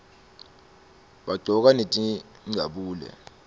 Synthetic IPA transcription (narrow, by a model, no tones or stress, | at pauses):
ɓaɡ͡ǀʱɔk̬anetʼi | ŋ͡ǀʱaɓuːlɛ̰